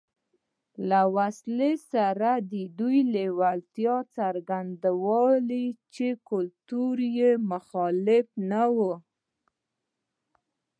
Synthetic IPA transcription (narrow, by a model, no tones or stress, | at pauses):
lawaslesaɾad̪əd̪ujlewalt̪jɑt͡saɾɡand̪awɑlit͡ʃekʊlt̪uɾjemʊxɑlɪfnawu